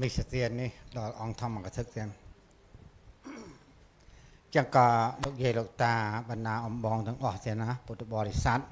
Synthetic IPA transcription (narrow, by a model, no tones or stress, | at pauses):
misat̪iənːihɗɑlʔɑŋt̪ʰɑmːakat̪ʰɨk̪̚t̪iən | t͡ɕəŋkɑːloːk̚jiəloːk̚t̪aːɓɑnɗaːʔɑmɓɑːŋt̪ɨ̆əŋʔɑht̪iəhnaput̪ːɓɑːɾisat̪̚